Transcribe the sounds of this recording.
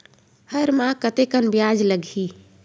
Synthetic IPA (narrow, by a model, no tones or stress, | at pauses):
həɾmãkət̪ekənbjad͡ʒləɡʱi